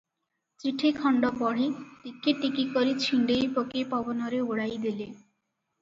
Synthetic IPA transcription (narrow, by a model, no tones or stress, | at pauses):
t͡ɕiʈʰekʰɔɳɖopɔɽeʈikʰːeʈikikoɾit͡ɕʰiɳɖejpokepɔbonoɾeoɽajd̪ele